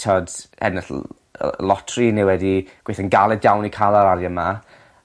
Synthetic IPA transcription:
tʰɔdhɛ̰nəɬ | lˠɔtʰrinɪwɛdiɡ̥weθənɡalˠɛdjawnikʰalˠaɾaɾjəma

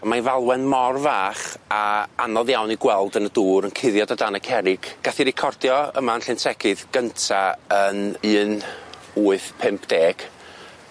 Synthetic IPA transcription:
amanvalˠwɛnmɔrvaːχaanɔðjawniɡwɛlˠdənəduːɾənkʰɪðjɔdadanəkʰɛɾɪɡ̥ɡ̥aθiɾɪkʰɔrdjɔə̰manɬɪntʰɛɡʰɨðɡ̥əntʰaənɨːn | uːɨθpʰɪmpʰd̥eːɡ̥

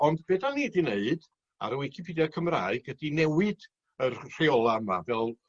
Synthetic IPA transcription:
ɔndbeːdaniːdineɨd̥ | a̰ɾəwikʰɪpʰidjɔkʰəmraːɨɡədinɛwɨd | ərr̥eɔlˠaəmavɛlˠ

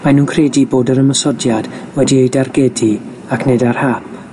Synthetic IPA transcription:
manuːnkʰreːdiboːdəɾəməsɔdjad̥wɛdiejdarɡɛdi | akʰnedar̥hapʰ

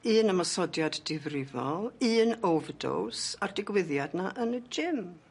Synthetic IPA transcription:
ɨːnamɔsɔdjadd̥ɪvrɪvɔ̰lˠɨːnowvdo̰wsardɪɡwɪðjadnaʔənəd͡ʒɪm

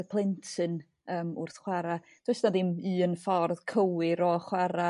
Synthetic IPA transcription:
pʰlˠɪntʰɨn | əːmʊ̰rθχwɛɾa | d̥westnadɪmɨːənfɔrð̥kʰəwɪɾɔχwɛɾa

